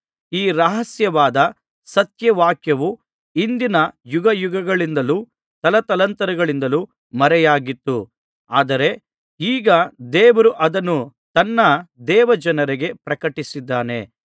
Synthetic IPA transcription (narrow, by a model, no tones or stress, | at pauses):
iːɾɐɦɐsjɐʋaːd̪ɐ | sɐt̪jɐʋaːkjɐʋu | ind̪inɐjuɡɐjuɡɐɡɐɭind̪ɐlu | t̪ɐlɐt̪ɐlɐnt̪ɐɾɐɡɐɭind̪ɐlu | mɐɾɛjaːɡit̪ːu | a̰ːd̪ɐɾe̞ | iːɡɐd̪ɛːʋɐɾuʔɐd̪ɐnːu | t̪ɐnːɐd̪ɛːʋɐd͡ʒɐnɐɾeɡe̞pɾɐkɐʈisid̪ːaːne̞̰